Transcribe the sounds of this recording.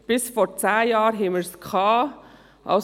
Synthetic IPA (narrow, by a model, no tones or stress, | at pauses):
b̥ɪsfɔɾt͡sæːjɑːɾɦɛːməɾskʰɑː | ʔa̰